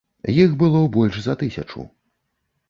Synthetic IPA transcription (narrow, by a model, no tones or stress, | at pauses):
jixbɨlˠɔbɔlʲʂzɐt̪ɨsʲɐ̰t͡ʂṵ